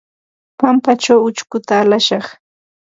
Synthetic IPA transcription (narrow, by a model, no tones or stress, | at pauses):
pampat͡ʃawʊt͡ʃkʊt̪aːlaʃɑχ